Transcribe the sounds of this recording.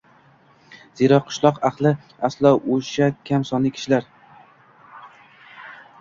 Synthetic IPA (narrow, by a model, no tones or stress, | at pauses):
z̥eɾɒqʰʊ̥ʃlˠɒqɑqlˠɪ | aslˠɒoʃakʲʰamsɒnlɪkʰʲɪ̥ʃɪlaɾ